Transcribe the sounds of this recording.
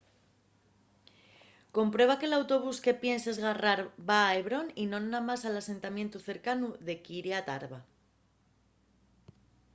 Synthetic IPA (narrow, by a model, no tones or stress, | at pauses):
ko̞mpɾwe̞βake̞lawt̪o̞β̞uske̞pje̞nse̞zɣaraɾβaːeβɾo̞ninõ̞nːamasalase̞nt̪amje̞nt̪uθe̞ɾkanuðe̞kiɾeat̪a̰ɾβa